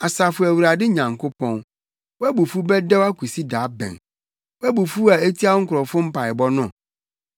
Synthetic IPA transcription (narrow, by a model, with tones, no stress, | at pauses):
a˨sa˨fʊ˨æ˨wu˨ɾa˨dɪ˦ɲã˨ŋkʰo˦pʰɔ̃˦n | wɔ˦æ˦bu˨fu˦bɛ˦dɛ˦wa˦kʰu˨si˦daː˨˦bɛ̰̃˨n | wɔ˦æ˦bu˨fu˦a˨e˦tʰi˦a˦wʊ˦ŋ̩˦kʰʊ˨ɾɔ˨fʊ̃˦m̩˦pa˨ɪ˨bɔ˦nʊ̃˨